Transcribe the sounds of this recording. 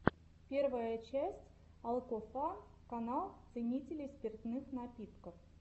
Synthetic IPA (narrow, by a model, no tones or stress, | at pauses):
pʲe̞rvəjət͡ɕæsʲtʲ | ɐlˠkofakɐnɑlˠt̪sɨnʲitʲɪlʲɪspʲɪrt̪nɨxnɐpʲit̪kəf